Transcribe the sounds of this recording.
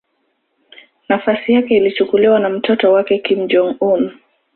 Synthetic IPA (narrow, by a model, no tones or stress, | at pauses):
nafasijakɛilit͡ʃukuliwanam̩tʰɔtɔwakɛkim̩d͡ʒɔŋum